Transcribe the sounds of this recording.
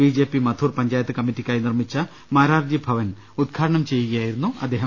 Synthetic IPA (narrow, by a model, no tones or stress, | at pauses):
biːd͡ʑe̞ːpːimɐt̪ʰuːrpɐɲd͡ʑaːjɐt̪ːɨkɐmːitːikʲːaːjnirmit͡ɕːɐ | maːɾaːrd͡ʑjibʱɐʋɐn | ud̪̚ɡʰʱaːɾɐɳɐmt͡ɕe̞jːuɣɐjaːjiɾunːuʔɐ̰d̪ʱːeːɦɐm